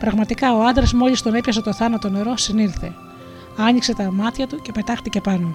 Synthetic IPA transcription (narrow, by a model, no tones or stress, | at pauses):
pɾɐɣmɐt̪ikɐo̞ɐnd̪ɾezmo̞ʎist̪onepçɐse̞t̪o̞θɐnɐt̪o̞ne̞ɾo̞sinilθe̞ | ɐɲikse̞t̪ɐmɐt̪çɐt̪uce̞pe̞t̪ɐxt̪ice̞pɐno